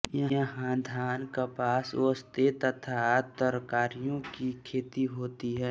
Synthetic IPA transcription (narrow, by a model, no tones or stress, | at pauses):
jɐəɦãd̪ʱaːnkapaːsəst̪et̪ɐt̪ʰat̪əɾkaːɾijõkikʰeːt̪iɦoːt̪iɦɛː